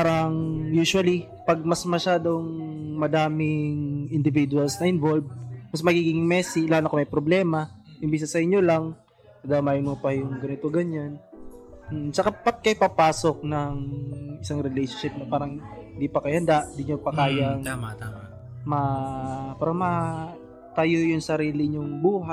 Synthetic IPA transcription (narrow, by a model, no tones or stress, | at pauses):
paːɾɐŋjuːʃwɐli | pɐɡ̚mɐsmɐʃaːd̪o̞ŋmɐd̪aːmɪŋɪnd̪ɪvid̪ʊɐlsnɐʔɪnvo̞lb̚mɐsmɐɡiːɡiŋŋmɛːsilaːnokomɐjpɾoblɛːmɐʔɪmbis̬ɐsɐʔɪɲːo̞lɐŋ | ɐd̪aːmaːjɪnmopɐjʊŋɡɐnɪt̪o̞ɡɐɲːan | m̩sɐkapɐt̪̚kɐjpapaːsok̚nɐŋɪsaŋɾɪlejʃonʃɪp̚nɐpaːɾɐŋhɪnd̪ipɐkɐjhɐnd̪aʔɪnd̪iɲopɐkaːjɐŋamat̪aa | mɐ | paːɾɐmɐ | t̪ɐjojʊŋsɐɾiːlɪɲʊŋbuːɦa